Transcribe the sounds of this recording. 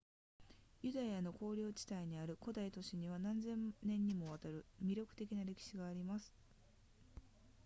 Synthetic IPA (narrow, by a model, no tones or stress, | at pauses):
jɯ̟d̪ajano̞ko̞ːɾʲo̞ːt͡ɕi̥t̪aiɲ̟iaɾɯ̟ko̞d̪ait̪o̞ɕiɲ̟iβ̞anãnzẽ̞nnẽ̞ɲ̟ːimo̞β̞at̪aɾɯ̟mʲiɾʲjo̞kɯ̟̥t̪e̞kʲinaɾe̞kʲi̥ɕiɡaːɾʲimasɨ̥